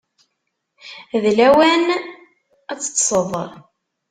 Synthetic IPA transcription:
ðlæwæn | æt͡sːə̥t̪ːsˤəðˤəɾˤ

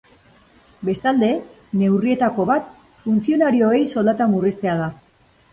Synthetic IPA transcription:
be̞st̪ald̪e̞ | ne̞wrie̞t̪ako̞βat̪ | funt͡sio̞naɾio̞e̞jso̞ld̪at̪amurist̪e̞að̞a

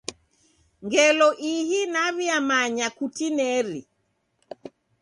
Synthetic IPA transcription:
ŋɡɛlɔʔihinaβiamaɲakutinɛɾḭ

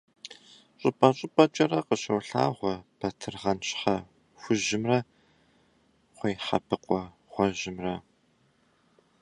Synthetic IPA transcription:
ɕʼʊpʼɐɕʼɪpʼɐt͡ʃʼɐrɐqəɕɐwɬa̰ːʁʷɔpʰɐtʰɨrʁɐnt͡ʃʼħɐ | xʷʊʒɪmrɐ | χʷejħɐ̰pʰɨqʷʼɔ | ʁ̥ʷɔʒɪmrɐ

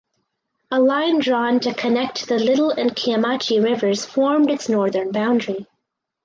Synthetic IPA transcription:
əlãɪ̃ndɹɔ̃ntʰɨkʰɨnɛk̚t̚ðɨlɪɾl̩ˠɨ̃nkʰiɨmɑt͡ʃiɹɪvə˞z̥fɔɹmdɨtsnɔɹðə̃˞nbãʊ̃ndɹi

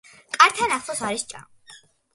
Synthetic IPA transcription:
kʼaɾt̪ʰanaχsˠɔsaɾist͡ʃʼa̰m

